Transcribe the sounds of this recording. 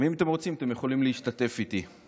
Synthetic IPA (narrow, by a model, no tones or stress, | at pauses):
miimat̪e̞mʁo̞t͡simat̪e̞mjeχo̞limleiʃt̪at̪e̞fit̪i